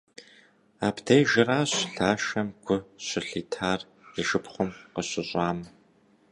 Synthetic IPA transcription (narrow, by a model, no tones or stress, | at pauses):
aːpdʰejʒɪraːɕɬaːʃɐmɡʷʊɕʷɪɬiːtʰaːr | iʒɨpχʷʊmqəɕʼɪɕʼɑːmɐ